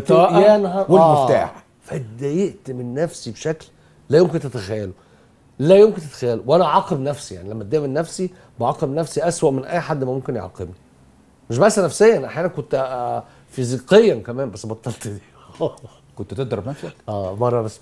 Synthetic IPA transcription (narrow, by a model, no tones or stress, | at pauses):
t̪ɑʔjænhæweæːmeft̪a̰ːħ | fæt̪d̪æjeʔt̪menːæfsibeʃækl | læjomkent̪æt̪æxæjːælo | læjomkent̪æt̪æxæjːælowʔænæʔʕɑːqebnæfsija̰ʕnilæmːæt̪d̪ːiʔmenːæfsi | boʕɑːqebnæfsiʔæswæʔmenʔæjːħad̪ːmæmomkenjḛʕɑ̰qebni | meʃ̬bæʔsːænæfsejːæʔnʔaħjæːnænkont̪ | fiziqejːænkæmæːmbæsːbɑt̪ˤːɑlt̪ˤd̪iː | kont̪t̪eʔd̪ɑɾˤɑbnæfsækʔæːbɑrˤːɑbæsː